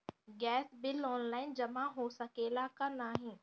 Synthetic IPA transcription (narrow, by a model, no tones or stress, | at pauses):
ɡɛːsbɪlɔːnlaːɪnd͡ʑɐmãɦoːsɐkeːlakɐnaːɦĩː